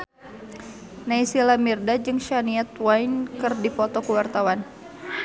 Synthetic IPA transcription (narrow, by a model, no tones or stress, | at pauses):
naisilamirdad͡ʒɨŋʃaniat̪wajnkɨrdipɔt̪ɔkəwart̪awan